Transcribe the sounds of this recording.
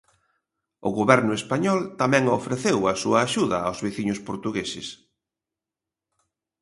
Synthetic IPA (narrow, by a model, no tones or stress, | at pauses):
ʊɣoβɛɾnʊespaɲɔlt̪amɛ̃ŋofɾeθewɐsuɐːʃuðɐawzβeθiɲʊspoɾt̪uɣesɪ̰s